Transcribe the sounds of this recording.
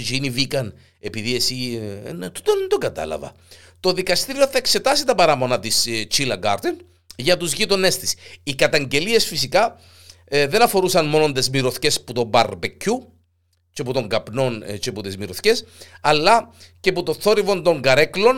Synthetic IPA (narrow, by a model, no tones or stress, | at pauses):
ʒinivikɐn | epiðie̞sinet̪u̥t̪ond̪oɡɐt̪ɐ̰lɐ̰vɐ̰ | t̪o̞ðikɐst̪iɾio̞θɐekse̞t̪ɐsit̪ɐpɐɾɐmo̞nɐt̪ist͡ʃilɐɡɐ̰ɾt̪en | ʝɐt̪uzʝit̪o̞ne̞st̪i̥sikɐt̪ɐɲɟe̞lie̞sfisikɐ | ðe̞nɐfo̞ɾusɐnmo̞no̞nd̪e̞zmiɾoθce̞sput̪o̞mbɐɾbecʰːu | t͡ʃeput̪o̞ŋɡɐpno̞nt͡ʃe̞put̪ezmiɾo̞θce̞sɐlːɐce̞put̪o̞θo̞ɾivo̞nt̪o̞ŋɡɐɾe̞klo̞n